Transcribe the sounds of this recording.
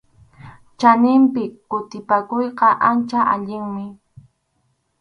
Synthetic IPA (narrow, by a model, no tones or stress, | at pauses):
t͡ʃanɪmpɪkkːʊt̪ɪpakʊjqɑʔant͡ʃaʔaʎɪŋmɪ